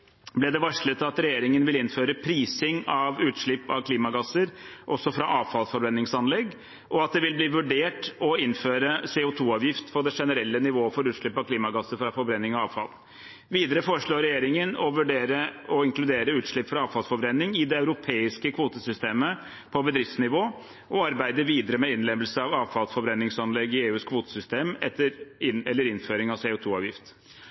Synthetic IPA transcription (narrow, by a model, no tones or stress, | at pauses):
blɛd̪ɛʋɑʂɭət̪ʰɪlɑt̪ɾɛjeːɾɪŋənʋɪlɪnføːɾəpʰɾiːsɪŋɑʋʉːt̪ʂɭɪpːɑ̰ʋkʰliːmɑɡɑsəɾʔɔsːɔfɾɑʔɑːʋfɑlsfɔɾbɾɛnːɪŋsɑnlɛɡː | ʔɔɑt̪̚d̪ɛʋɪlbliːʋʉɖeːʈɔɪnːføːɾəseːʊt̪ʰuːɑːʋjɪft̪fɔɖ̪ɛʂɛnəɾɛlːənɪʋoːəfɔɾʉːt̪ʂɭɪpːɑʋkʰliːmɑɡɑsːəɾfɾɑfɔɾbɾɛnːɪŋɑɑːʋfɑ̰l | ʋiːd̪əɾəfoːɾəʂɭoːɾɛjeːɾɪŋənɔʋʉɖeːɾəɔɪŋklʉd̪eːɾəʉːt̪ʂɭɪpːfɾɑɑːʋfɑlsfɔɾbɾɛnːɪŋɪd̪ɛɑʉɾʊpʰeːɪskəkʰʋuːt̪əsʏst̪eːmə | pʰɔbəd̪ɾɪft̪snɪʋoː | ʔɔɑɾbæɪd̪əʋiːd̪əɾəmɛɪnlɛməlsəɑʋɑːʋfɑlsfɔbɾɛnːɪŋsɑnlɛɡːɪeːʉːskʰʋuːt̪ə̥sʏst̪eːmɛt̪ːəɾɪnɛlːəɾɪnføːɾɪŋɑʋsɛːʊt̪ʰuːɑːʋjɪft̪